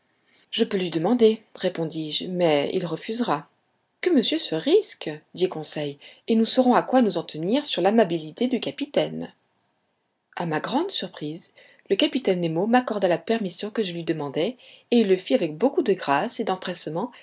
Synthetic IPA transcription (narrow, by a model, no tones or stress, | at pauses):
ʒ̥əpølɥid̪əmɑ̃d̪eʁepɔ̃d̪iʒmɛḭlʁəfyzʁa | kəməsjøsəʁiskd̪ikɔ̃sɛjenusɔʁɔ̃akwanuzɑ̃t̪əniʁsyʁlamabilit̪ed̪ykapit̪ɛn | amaɡʁɑ̃d̪syʁpχiz | ləkapit̪ɛnːemomakɔʁd̪alapɛʁmisjɔ̃kəʒəlɥid̪əmɑ̃d̪ɛeilːəfiavɛk̚bokud̪əɡʁased̪ɑ̃pχɛsmɑ̃